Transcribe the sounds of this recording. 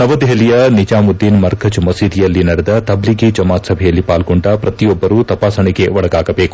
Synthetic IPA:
nɐʋɐd̪ɦɐlijɐnid͡ʒaːmud̪ːinmɐɾɡɐd͡ʒmɐsid̪ijɐlːinɐɽɛd̪ɐt̪ɐbliɡid͡ʒɐmaːt̪sɐbʱɛjɐlːipaːlɡoɳɖɐpɾɐt̪ijɔbːɐɾuːt̪ɐpaːsɐɳiɡe̞ʋɔɽɐɡaːɡɐbeːku̥

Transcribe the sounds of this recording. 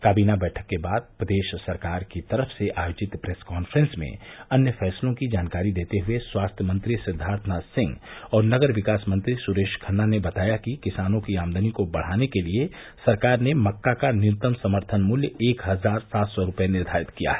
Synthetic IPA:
kaːbiːnabɛːʈʰəkːebaːd̪̚pɾəd̪eːʃsɐɾkaːɾkit̪ɐɾəfseʔaːjoːd͡ʒɪt̪pɾeːskaːnfɾə̃nsmḛ̃ɐnjəfʰɛːslõkid͡ʒaːnkaːɾid̪eːt̪eɦʊeswaːst̪ʰjəmə̃nt̪ɾisɪd̪ʱaːɾt̪ʰənasɪ̃ŋɡɔːɾnɐɡəɾʋɪkaːsmə̃nt̪ɾisʊɾeːʃkʰənːanebɐt̪aːjakikɪsaːnõkiaːmd̪ənikobɐɽ̤aːnekelie | sɐɾkaːɾnemɐkːakanɪt̪əmsɐməɾt̪ʰənmʊljəeːkɦɐzaːɾsaːt̪sɔɾʊpjenɪɾd̪ʱaːɾɪt̪kija̰ɦɛː

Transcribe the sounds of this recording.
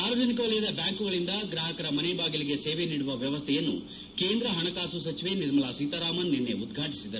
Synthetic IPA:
aːɾoːd͡ʒɐnikɐʋɐɭɛjɐd̪ɐbjaːŋkuɡɐɭind̪ɐɡɾaːɦɐkɐɾɐmɐnebaːɡiliɡe̞seːʋeniːɽuʋɐʋjɐʋɐst̪ʰɛjɐnːṵ | keːnd̪ɾɐɦɐnɐkaːsusɐt͡ʃiʋe̞niɾmɐɭɐsiːt̪ɐɾaːmɐnːinːeud̪̚ɡʱaːʈisid̪ɐɾu

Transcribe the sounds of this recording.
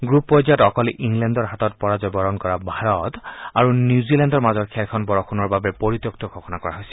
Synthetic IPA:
ɡɹuppːɔziatɔkɔlʔiŋlɛndɔɹɦatɔt̚pɔɹazɔjbɔɹɔnkɔɹabʱaɹɔtaɹunjuzilɛndɔɹmazɔkʰɛlkʰɔnbɔɹɔkʰunɔɹbabɛpoɹit̪jɔk̚tɔɡʰʱɔxɔnakɔɹa̰ɦojsɛ̥

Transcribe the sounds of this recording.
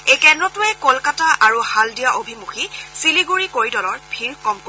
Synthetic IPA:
ejkɛndɹɔtʊɛkolkataʔaɹuhaldijaʔobʱimuxisiliɡuɹikoɹidɔlɔɹbʱiɹkɔmko

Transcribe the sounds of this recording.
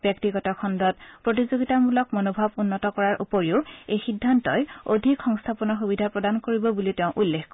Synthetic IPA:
bjɔktiɡɔtɔkʰɔndɔt̚pɹot̬izoɡitamulɔk̚monobʱabunːɔtɔkɔɹaɹʔṵpoɹiʊejxidʱːantɔjodʱikxɔŋstʰapɔnɔxubidʱapɹɔdankoɹibɔbuliʊteʊ̃ʔulːexk

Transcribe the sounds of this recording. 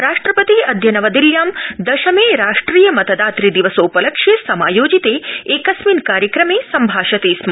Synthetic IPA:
ɾaːʂʈɾɐpɐt̪iɐd̪ʱjɐnɐʋɐd̪iljaːmd̪ɐʃɐmeːɾaːʂʈɾiːjɐmɐt̪ɐd̪aːt̪ɾid̪iʋɐsoːpɐlɐkʂeːsɐmaːjoːd͡ʒit̪eːeːkɐsmiːnkaːɾjɐkɾɐmeːsɐmbʱaːʃɐt̪eːsmɐ

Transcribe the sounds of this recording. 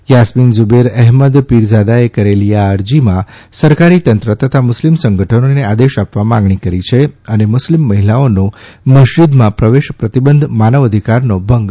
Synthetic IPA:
jasminzʊbeɾɛɦməd̪piɾd͡ʒad̪aekəɾeliaəɾd͡ʒimãsəɾkaɾit̪ənt̪ɾət̪ət̪ʰamʊslimsəŋɡʱəʈʰənonead̪eʃapʋamãŋɡɳikəɾit͡ʃʰeənemʊslimːəɦilaonoməʃɾid̪mãpɾəʋeʃpɾət̪ibənd̪ʱmanəʋəd̪ʱikaɾnobʱəŋɡ

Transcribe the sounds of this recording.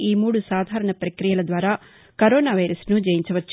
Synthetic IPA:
iːmuːɽusaːd̪ʱaːɾɐɳɐpɾɐkɾijɐlɐd̪ʋaːɾaː | kɐɾoːnaːʋɐjɾɐsnud͡ʒɛːjiɲt͡ʃɐʋɐt͡ʃː

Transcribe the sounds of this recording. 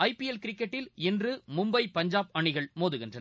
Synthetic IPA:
ɐɪpiɛlkɪɾɪkːɛʈːɪlɪndrɯmʊmbɐɪpɐɲd͡ʒaːp̚ɐɳɪɣɐɭmoːðɯɣɪndrɐn

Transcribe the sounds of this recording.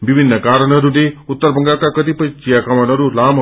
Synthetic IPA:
bibʱinːəkaɾənʌɾuneut̪ːəɾbəŋɡakakəd̪ipət͡ʃijakamanʌɾulam

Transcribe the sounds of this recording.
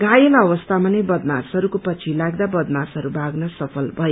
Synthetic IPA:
ɡajelʌwʌst̪ʰamʌnebʌd̪masɦʌɾukopʌt͡sʰilaɡd̪abʌd̪masɦʌɾubʱaɡnʌsʌpʰʌlbʱʌjo

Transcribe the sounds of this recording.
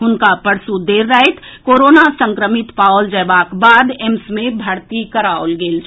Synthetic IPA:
ɦʊnkapəɾsud̪eːɾːəɛt̪koːɾoːnasə̃ŋkɾəmɪt̪pald͡ʒəːbakbaːd̪emsmẽbʱəɽt̪ikəɾaolɡeːlt͡ʃʰ

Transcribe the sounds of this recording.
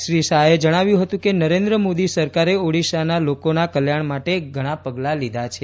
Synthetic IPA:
ʃɾiʃaed͡ʒəɽ̃aʋjũɦət̪ũkenəɾend̪ɾəmod̪isəɾkaɾeoɽiʃanalokonakəljaɳmaʈeɡʱəɽ̃apəɡlalid̪ʱat͡ʃʰe

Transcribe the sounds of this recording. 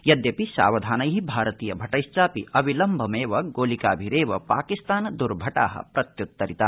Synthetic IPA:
jɐd̪jɐpiʃa̰ːʋɐd̪ʱaːnɐjɦibʱaːɾɐt̪iːjɐbʱɐʈɐjʃt͡ʃaːpiʔɐbʱilɐmbʱɐmeːʋɐɡoːlikaːbʱiɾeːʋɐpaːkist̪aːnɐd̪uɾbʱɐʈa̰ːɦɐ̰pɾɐt̪jut̪ːɐɾit̪a

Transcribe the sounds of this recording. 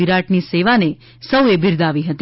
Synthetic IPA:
iɾaʈniseʋane | səwebʱiɾd̪aʋiɦət̪

